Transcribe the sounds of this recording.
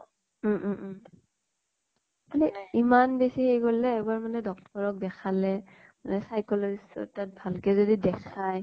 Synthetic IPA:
aniimanbesihejɡolɛːbaɹmanɛdɔk̚tɔɹɔk̚dɛkʰalɛ | manɛsajkɔlɔɹisɔ̰tat̚bʱalkɛzodidɛkʰaj

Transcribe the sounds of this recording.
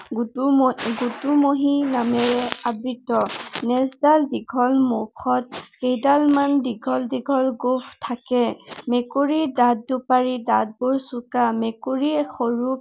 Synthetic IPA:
ɡutumoɦinamɛɹɛabɹitɔnɛsdalbiɡʱɔlmokʰɔt̚kejdalmanbiɡʱɔldiɡʱɔlɡopʰtʰːakɛmɛkoɹidad̚ːupaɹidad̚bʊɹsʊkamɛkoɹixoɹup

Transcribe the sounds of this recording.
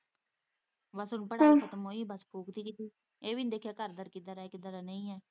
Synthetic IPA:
bəsʊnpəɽaːkʰət̪əmɦoːiːbəspʰuːkt̪iːkɪt̪iː | eːʋiːnd̪eːkʰjaːkəɾd̪əɾkid̪əɾaːekɪd̪əɾaːnəĩːɛː

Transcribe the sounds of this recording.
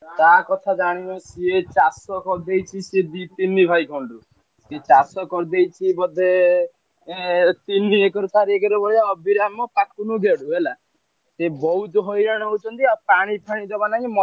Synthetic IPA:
t̪akɔt̪ʰad͡ʒaɽ̃inɔsiet͡ʃasɔkɔɾd̪ejt͡ʃʰised̪it̪inibʱajkʰɔɳɖu | siet͡ʃasɔkɔɾd̪ejt͡ʃʰibɔd̪e | t̪iniekɔɾt̪aɾiekɔɾebɔɽaɔbʱiɾamɔpakʰunuɡeɽuɦela | sebɔut̪ɔɦojɾaɽ̃ɔut͡ʃʰɔnt̪iapaɽ̃ipʰaɽ̃id͡ʒ̪ɔbanaɦĩmɔ

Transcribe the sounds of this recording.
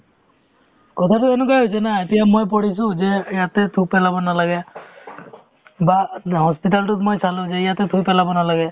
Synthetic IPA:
kɔt̪ʰatuenukajɦojs̬ɛnaetijamojp̬ɔɽis̬ũzɛijat̪ɛt̪ʰupɛlabɔnalaɡɛ | bahɔspit̬altutmojsalũzɛijat̪ɛt̪ʰupɛlabɔnalaɡɛ

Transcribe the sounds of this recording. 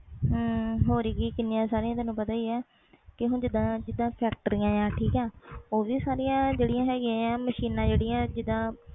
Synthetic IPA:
ɦɦoːɾiːɡiːkɪnːɪjãːsaːɾɪijãːt̪ɛ̃ːnũːpət̪aːiːɛː | kɪɦʊ̃nd͡ʒɪd̪ãːd͡ʒɪd̪ãːpʰɛːk̚ʈəɾijãːjãːʈʰiːkɛːoːʋiːsaːɾijãːd͡ʒeːɽɪjãːɦɛːɡɪãːãːməʃiːnãːd͡ʒeːɽɪ̃jãːd͡ʒɪd̪ãː

